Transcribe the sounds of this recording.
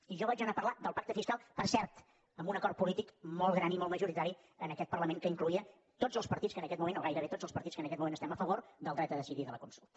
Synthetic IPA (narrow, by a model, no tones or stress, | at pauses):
iʒɔβad͡ʒənapərlad̪əlˠpak̚t̪əfiskalˠpərsɛɾt̪ | əmbunəkɔrt̪̚pulit̪ikmɔlˠɣɾanimɔlˠt̪məʒuɾit̪aɾi | ənəkɛt̪̚pərləmẽŋkəiŋkluiə | t̪od͡zzəlˠspəɾt̪iskənəkɛt̪̚mumẽnoɣajɾəβet̪od͡zzəlˠspəɾt̪itskənəkɛt̪mumẽnəst̪ɛməfəβoɾd̪əlˠd̪ɾɛt̪əðəsiðiðələkunsulˠt̪ə